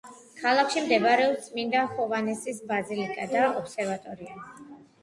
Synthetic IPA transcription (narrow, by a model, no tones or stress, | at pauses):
kʰalˠakʰʃimd̪ɛvɾɛɔsʼmind̪aχɔvanɛsisbazilikʼad̪aɔpsɛɾvat̪ʼɔɾia